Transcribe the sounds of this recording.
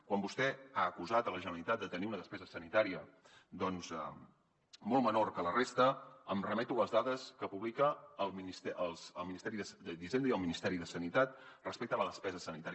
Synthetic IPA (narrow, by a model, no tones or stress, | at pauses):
kwambust̪ɛaəkuzat̪ələʒənəlit̪at̪̚d̪ət̪əniunəðəspɛzəsənit̪aɾiə | d̪ɔnzɛ | mɔlˠmənorkələrest̪əəmrəmɛt̪uləzðaðəskəpuβlikəːlˠminist̪ɛəlˠzəlˠminist̪ɛɾiðəsd̪əðizend̪əiəlˠminist̪ɛɾiðəsənit̪at̪̚rəspɛk̚t̪ələðəspɛzəsənit̪aɾ